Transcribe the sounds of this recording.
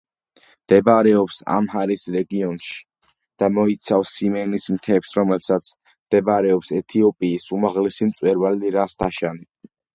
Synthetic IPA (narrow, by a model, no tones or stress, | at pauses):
md̪̥ɛbɾɛɔpsa̰mhaɾisɾɛɡiɔnʃi̥ | d̪̥amɔit̪sʰafsːimɛnismt̪ʰɛpsɾɔmɛlsat̪sʰ | md̪̥ɛbaɾɛɔpsɛt̪ʰiɔpʼiːsumaʁlɛsimt̪sʼwɛɾvaliɾast̪ʰaʃani